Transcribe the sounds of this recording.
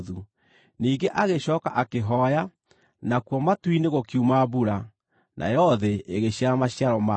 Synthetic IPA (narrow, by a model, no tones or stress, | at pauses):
ðu | niːɡeʔaɣeɕɔːkaʔakeɦɔja | nakwɔmatwineɣokiumaβuɾa | nʔa̰jɔðɛʔeɣeɕiaɾamaɕjaɾɔma